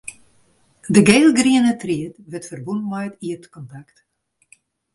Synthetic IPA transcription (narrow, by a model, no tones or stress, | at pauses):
dəɡeːlˠɡriənətriətʋɪtfərbunmajtiətkɔntakt